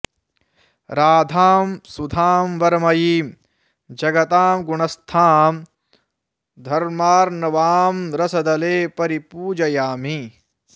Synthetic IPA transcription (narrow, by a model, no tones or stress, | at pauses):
ɾaːd̪ʱaːmsud̪ʱaːmʋɐɾmɐjiːm | d͡ʒɐɡɐt̪aːmɡuɳɐst̪ʰaːm | d̪ʱɐɾmaːɾnɐʋaːmɾɐsɐd̪ɐleːpɐɾipuːd͡ʒɐjaːmi